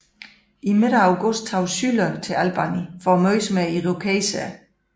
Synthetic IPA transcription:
ʔime̝ɾ̥əɑ̈ʊɡ̥ɔsd̥̚ʰɑ̈ʊsylɐt͡sʰe̝ælb̥ɑ̈nifɒmœɪsmæiʁokʰesæ

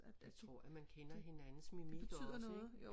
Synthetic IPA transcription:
æ̥ | t͡sʰʁɔ̝ɐ̰æmænkʰenɐɦe̝nænn̩smimib̥ed̥ʰy̰ð̰ˠɐnɔːð̩ˠjo

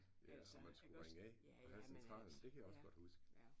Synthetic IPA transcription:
ɒ̽mːænsɡ̥uʁaŋəɛ | pʰɒ̽hæsent͡sʰʁɑ̰̈ːln̩d̥e̝kʰæjɑ̈ɒ̽sɡ̥ɒ̽d̥husɡ̥

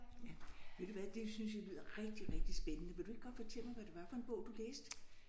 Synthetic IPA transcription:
jæʋe̝d̥uʋæd̥e̝synsjalyð̰ˠʁɛɡ̥̚d̥iʁɛɡ̥̚d̥isb̥enənəʋe̝ldue̝ɡ̥ɡɒ̽d̥fɒ̽t͡sʰel̰mɑ̈ɪʋæɾ̥eʋɑ̈fɒ̽e̝nb̥ɔ̽ʊd̥uleːsd̥

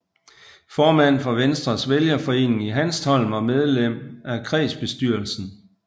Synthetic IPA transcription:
fɒːmæn̰fɒ̽ʋensd̥ʁɐsʋeljɐfɒ̽e̝̰ːne̝ŋiɦænstʰɒ̽l̰mɒ̽með̞ˠlem̰ækʰʁɛ̰ːsb̥e̝sd̥yɐl̩sn̩

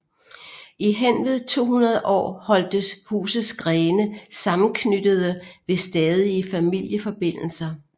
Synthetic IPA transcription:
iɦen̰ʋð̞ˠt͡sʰo̝̰ːɦhunɐð̞ˠəʔɒ̰ːhɒ̽l̰d̥əshṵːsð̩ˠsɡ̥ʁɛːnəsɑ̈mn̩kʰnyd̥əð̞̩ˠəʋe̝sd̥ɛːð̞ˠiəfæmil̰jəfɒ̽b̥e̝n̰l̩sɐ

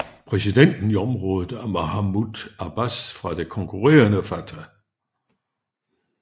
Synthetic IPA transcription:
pʰʁɛs̬id̥en̰d̥n̩iɒmʁɔ̽ːð̩ˠæɐmoɦamud̥æb̥æsfʁɑ̈d̥e̝kʰɔ̽ŋkʰuʁɛ̰ːɐnəfæt͡sʰæ

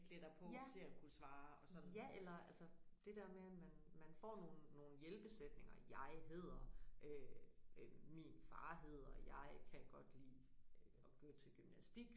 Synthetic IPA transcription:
ɡ̥led̥ɐpʰɔ̽t͡sʰe̝ækʰusʋɑ̈ːɒsɒn̩ˠjæʔelɐælsɐd̥e̝d̥æɐmeæmænmænfɒ̰ːno̝ːn̩ːo̝ːn̩jelb̥e̝sed̥ne̝ŋɐjɑ̈ɪɦe̝ð̞̰ˠɐʔø | minfɑ̈ːɦe̝ð̞̰ˠɐjɑ̈ɪkʰæɡ̥ɒ̽d̥liː | ɡ̥øːɐt͡sʰe̝lɡ̥ymnæsd̥iɡ̥

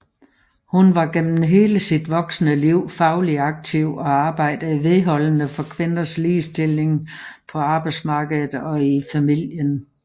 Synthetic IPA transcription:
hunʋɑ̈ɡ̥em̰mn̩ɦe̝ːləsid̥ʋɒ̽ɡ̥snəliʊ̰fɑ̈ʊliɑ̈ɡ̥̚t͡sʰiʊ̰ɒ̽ɑ̈ːb̥ɑ̈ɪ̰d̥əiʋe̝ðˠɦɒ̽l̰ənəfɒ̽kʰʋe̝nɐsliːsd̥e̝le̝ŋpʰɒ̽ɑ̈ːb̥ɑ̈ɪd̥smɑ̈ːɡ̥əð̩ˠɒ̽ifæmil̰jən

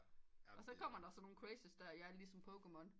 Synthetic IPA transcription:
ɒ̽sɒ̽kʰɒ̽m̰ɐd̥ɑsɒ̽no̝ːn̩kʰʁesəsd̥æɐjɑæɐlisɒ̽mpʰokemɔ̽n

